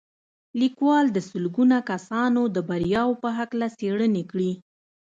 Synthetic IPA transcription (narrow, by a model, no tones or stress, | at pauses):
likwɑld̪əsʊlɡunakasɑnod̪əbaɾjɑwpəɦaklaseɽənekɽi